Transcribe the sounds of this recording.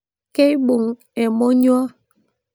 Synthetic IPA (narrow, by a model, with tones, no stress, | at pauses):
ke˦i˦ɓu˨ŋ | e˨mo˦ɲu˦ɔ˦